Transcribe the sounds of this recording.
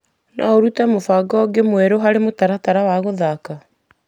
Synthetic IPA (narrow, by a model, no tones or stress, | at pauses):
na̰oɾutɛmofaɡɔːɡemwɛɾoɦaɾemotaɾataɾawaɣoðaka